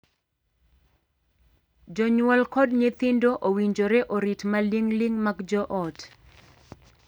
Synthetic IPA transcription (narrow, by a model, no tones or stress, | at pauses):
d͡ʒɔɲwɔlkɔdɲet̪indoʔowiɲd͡ʒoɾɛʔoɾitmaliŋliŋmaɡd͡ʒɔʔɔt